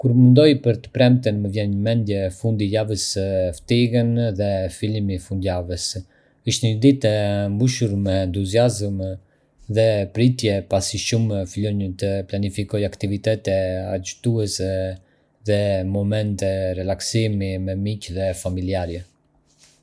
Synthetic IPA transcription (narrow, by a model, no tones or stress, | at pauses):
kuɾmənd̪ɔjpəɾt̪ə̥pɾɛmt̪ənməvjɛnɲəmɛnd̪jɛfund̪ijavəsft̪iɡənðɛfilimifund̪javəs | iʃt̪nəd̪it̪ɛmbuʃuɾmɛːnt̪uziazm | ðɛpɾit̪jɛpasiʃumfilɔɲət̪əplanifikɔjakt̪ivit̪ɛt̪ɛa̰d͡ʒut̪uɛsɛ | ðɛmɔmɛnt̪ɛrɛlaksimimɛmicðɛfamiliaɾjɛ